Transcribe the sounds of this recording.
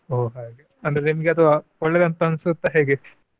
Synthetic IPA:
oːɦaːɡeɐnd̪ɐɾenimɐɡeɐt̪ʰɐʋaɔɭːed̪ɐnt̪ːɐnsut̪ːɐɦeːɡe

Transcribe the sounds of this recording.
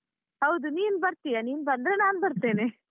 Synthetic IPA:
ɦɐwd̪uniːnbɐɾt̪ijɐniːnbɐnd̪ɾenaːnbɐɾt̪eːne

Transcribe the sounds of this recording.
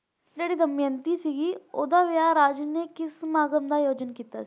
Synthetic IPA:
d͡ʒeːɽiːd̪əmjə̃nt̪iːsiɡiːoːd̪aːʋɪjaːɾaːd͡ʒneːkɪsmaːɡəmd̪aːjoːd͡ʒənkiːt̪a̰ːs

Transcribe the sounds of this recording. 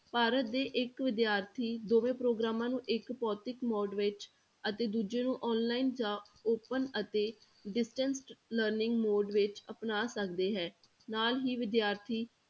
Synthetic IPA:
paːɾət̪̚d̪eːʔɪkʋɪd̪jaːɾt̪ʰiːd̪oːʋẽːpɾoːɡɾaːmãːnũːʔɪkpɔːt̪ɪkmɔːɖʋɪt͡ʃ | ət̪eːd̪uːd͡ʒeːnũːʔɔːnlaːind͡ʒãː | oːpənət̪eː | ɖɪsʈə̃nsʈləɾnɪ̃ŋɡmoːɖʋɪt͡ʃəpnaːsəkd̪eːɦɛː | naːlɦiːʋɪd̪jaːɾt̪ʰiː

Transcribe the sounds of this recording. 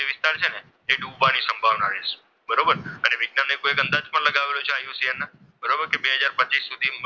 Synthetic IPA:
d͡ʒeʋist̪aɾt͡ʃʰene | eɖuʋanisəmbʱaʋnaɾes | bəɾobəɾəneʋɪɡnanekoekə̃nd̪ad͡ʒpəɳləɡaʋelot͡ʃʰeajũsiəna | bəɾobəɾkebeɦəd͡ʒaɾpət͡ʃisːud̪ʱim

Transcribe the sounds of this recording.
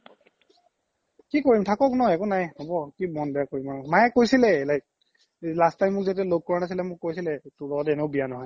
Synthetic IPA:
kikoɹimtʰakɔknɔɦɔjɛkunajhɔbɔkimɔnbɛakoɹimaɔkmajɛkojsilɛelajk̚ | lastajmːʊk̚zetialoɡ̚kɔɹanas̬ilɛmʊkːojsilɛtʊlɔɔtɛnɛʊbijanɔɦɔj

